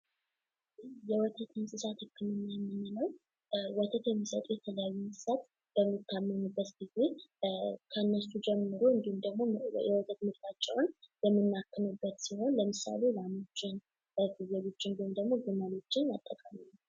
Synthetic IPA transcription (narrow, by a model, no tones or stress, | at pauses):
jɛwɔt̪ʰət̪ɨnsʼɨsat̪hɨkːɨnɨnːajɛmːɛninəw | wɔt̪ʰət̪jɛmːisət̪ʼujɛt̪ʰələjajːunsʼɨ̥sat̪ | b̥əmːit̪ʰːamːənubːət̪ɡize̞ | kʰəɨnːəsud͡ʒɛmːɨɾoɨnd̪ihumd̪əɡmojɛwɔt̪ʰʼət̪mɨɾt̪at͡ʃʼːɛwnjɛmːɨnːakːɨnubːət̪siho̞nləmɨsa̰le̞lamot͡ʃːɪn | əɡɨzelot͡ʃːɪnd̪imd̪əɡmoɡɨməlo̞t͡ʃːɪnjat̪ʼːəkʼami